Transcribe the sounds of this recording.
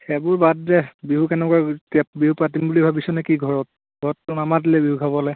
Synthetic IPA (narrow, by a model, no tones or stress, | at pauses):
xɛbʊɹbadzɛbiɦukɛnɛkuaɹtiabiɦupɹat̬imbulibʱabisɔnɛkiɡʱɔɹɔt̚ | ɡʱɔɹɔtːʊnamadilɛbiɦukʰabɔlɛ